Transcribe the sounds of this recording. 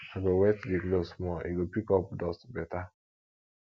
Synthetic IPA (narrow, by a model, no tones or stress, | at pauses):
aɡowɛtdiklosmɔʔiɡopikɔp̚dɔstbɛta